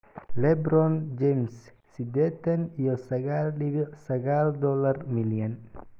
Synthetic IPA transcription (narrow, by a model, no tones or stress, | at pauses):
lɛbɾɔnd͡ʒɛmsː | id̪ɛt̪ɛnijɔsɐɡalɗiβisɐɡaːld̪ɔlːɐrmilijɐn